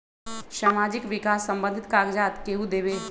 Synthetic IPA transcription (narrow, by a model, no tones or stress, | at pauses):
ʃaːmaːd͡ʒɪkʋɪkaːsːɐ̃mbə̃nd̪ʱɪt̪kaːɡd͡ʒaːt̪keːɦud̪eːʋeː